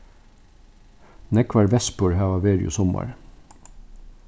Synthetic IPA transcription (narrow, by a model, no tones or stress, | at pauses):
nɛkʋɑɹʋɛspʊɹhæːʋɑːʋeːɾɪ̰ʊ̰sɔmɑ̰ɹ